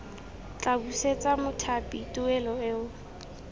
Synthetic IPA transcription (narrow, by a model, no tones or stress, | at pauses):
t͡ɬʼabuset͡sʼamʊtʰapʼitʼʊɛlɔɛːʊ